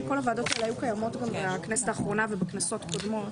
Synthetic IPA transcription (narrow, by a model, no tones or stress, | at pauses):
ko̞lhavaːd̪o̞t̪elajukajamo̞tɡambeknɛsetaːχʁo̞navebeknaso̞tko̞dmo̞t